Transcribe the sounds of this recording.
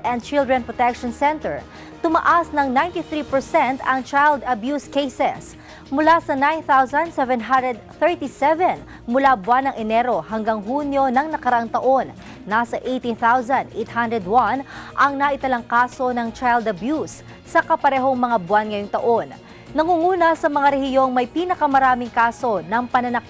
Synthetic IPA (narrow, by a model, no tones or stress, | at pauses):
ʔɛ̃n̚t͡ʃɪld̪ɹɛnpɹot̪ɛkʃonsɛnt̪ɛɹ | t̪ʊmɐ̰ʔasnɐŋnajnt̪iθɾiːpɛɹsɛnt̪ɐŋt͡ʃajld̪ɐbjuskejsɛ̰s | mʊlasɐnajnθawzɐ̃nd̪sɛvɛnɦand̪ɹɛd̪̚θɛɹt̪isɛvɛn | mʊlabwanːɐŋʔɛnɛɾo̞hɐŋɡaŋɦuːnjo̞nɐŋnɐkɐɾɐʔaŋt̪ɐʔo̞nː | asɐʔejt̪iθawzɐ̃nd̪ʔejt̪̚hand̪ɹɛd̪wɐnʔɐŋnaʔɪt̪ɐlɐŋkaːso̞nɐŋt͡ʃajld̪ɐbjusː | ɐkɐpɐɾɛːɦo̞ŋmɐŋabwanŋɐjoŋt̪ɐʔo̞nː | ɐŋuŋuːnɐsɐmɐŋaɾɛhɪjo̞ŋmɐjpiːnɐkɐmɐɾaːmɪŋkaːso̞nɐŋpɐnɐnɐk